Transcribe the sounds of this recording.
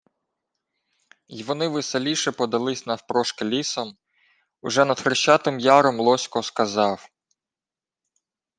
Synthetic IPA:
jʋɔnɪʋɪselʲiʃɛpɔd̪ɐlˠɪsʲnɐfpɾɔʃkɪlʲisɔm | ʊʒɛnɐd̪xɾɪʃt͡ʃɑt̪ɪmjɑɾɔmlˠɔsʲkɔskɐzɑw

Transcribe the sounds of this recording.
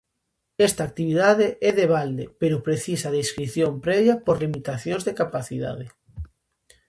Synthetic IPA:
ɛst̪aːk̚t̪iβiðaðeʔɛðeβ̞ald̪epeɾʊpɾeθisɐðeskɾiθjompɾɛβjapoɾlimit̪aθjõnzðekapaθiða̰ð̞e

